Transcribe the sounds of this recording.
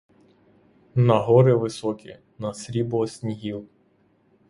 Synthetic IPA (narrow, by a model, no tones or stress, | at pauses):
nɐɦɔɾɪʋɪsɔkʲḭ | nɐsʲɾʲibɔɔsʲnʲiɦʲilˠ